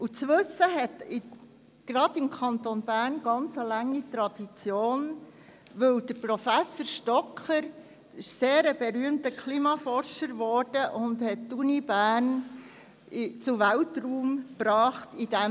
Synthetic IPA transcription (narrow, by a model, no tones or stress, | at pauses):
ut͡sʋɵsːəɦɛtɪ | ɡ̥ɾɑd̥ɪmkʰɑnt̪onbæːɾnɡ̥ɑnt͡səlæŋːitɾɑd̥it͡sjoːn | ʋɵwd̥̪əɾpɾofæsoɾʃtɔkχəɾ | ɪʃseːɾəbɛɾyəmtəkʰlimɑfɔɾʃəɾʋɔɾd̥əʔʊndhɛttunibæːɾn | t͡suʋæltruːmpɾɑːχtid̥ɛ